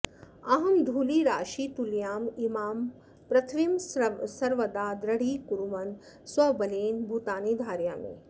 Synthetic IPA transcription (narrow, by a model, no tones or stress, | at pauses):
ɐɦɐmd̪ʱuːliːɾaːʃiːt̪uljaːmimaːm | pɾɐt̪ʰʋimsɐɾʋɐd̪aːd̪ɾɐɽiːkuɾumɐn | swɐbɐleːnbʱut̪aːniːd̪ʱaːɾjaːmḛ̃ː